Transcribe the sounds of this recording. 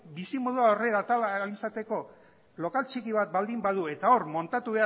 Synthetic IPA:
bisimo̞ð̞uaore̞ɾat̪alːlisat̪e̞ko̞ | lo̞kalt͡ʃikiβ̞at̪̚bald̪imbaðue̞t̪ao̞ɾmo̞nt̪at̪uβe̞a

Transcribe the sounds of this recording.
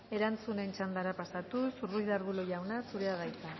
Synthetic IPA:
e̞ɾant͡sune̞nt͡ʃand̪aɾapasat̪usurujðaɾβulojawnasuɾe̞aðajt͡s̪a

